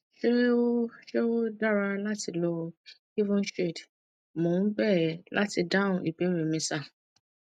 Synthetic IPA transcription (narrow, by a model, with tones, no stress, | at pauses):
ʃe˦ɾe˦o˦ʃe˦o˦da˦ɾa˧la˦ti˧lɔ˧ | i˦vũ˦nʃe˦˨d | mõ˨˦bɛ˦˨lʔa˦ti˧dã˦˨ũ˨ʔi˨be˨˦ɾe˨mĩ˧sa˦˨